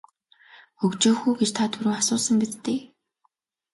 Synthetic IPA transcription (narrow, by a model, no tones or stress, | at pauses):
xɵkt͡ɕoːxuːɡet͡ɕt̪ʰat̪ʰuɾɵːasʊːsə̆mpit̪ːeː